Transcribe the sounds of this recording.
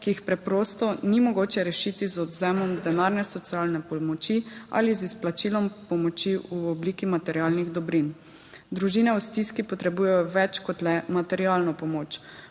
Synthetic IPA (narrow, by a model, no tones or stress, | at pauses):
kiixpɾɛpɾɔːst̪ɔnimɔɡoːt͡ʃɛɾɛʃiːt̪izɔd̪zɛmɔmd̪ɛnaːɾnɛsɔt̪sijalnɛpɔlmɔt͡ʃia̰lizisplat͡ʃiːlɔmpɔmɔt͡ʃiʔuɔbliːkimat̪ɛɾialniɣd̪ɔbɾin | d̪ɾuʒiːnɛust̪iskipɔt̪ɾɛbuːjajɔʋɛt͡ʃkɔt̪lɛmat̪ɛɾiaːlnɔpɔmoːt͡ʃ